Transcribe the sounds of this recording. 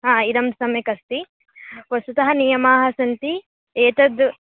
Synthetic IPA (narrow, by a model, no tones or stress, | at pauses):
ɦãːid̪ɐmsɐmjɐkɐst̪i | pɐst̪ut̪ɐɦɐnijɐmaːɦɐsɐnt̪i | eːt̪ɐd̪